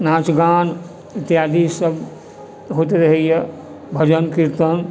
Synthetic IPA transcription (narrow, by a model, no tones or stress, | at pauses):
naːt͡ʃɡaːn | it̪jaːd̪isəb | ɦoːt̪eɾəɦejə | bʱəd͡ʒənkiɾt̪ən